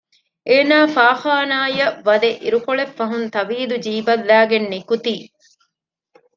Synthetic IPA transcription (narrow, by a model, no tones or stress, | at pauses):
ʔeːnaːfaːxaːnaːjɐʋɐd̪eʔiɾukoɭefːɐɦunt̪ɐʋiːd̪ud͡ʒiːbɐlːæːɡenːikut̪iː